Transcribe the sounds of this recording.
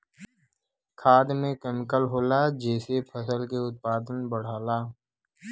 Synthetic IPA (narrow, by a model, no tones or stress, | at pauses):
kʰaːd̪mẽkɛːmɪkəlɦoːlad͡ʒɛːsepʰəsəlkeʊt̪̚paːd̪ənbəɽ̤aːlaː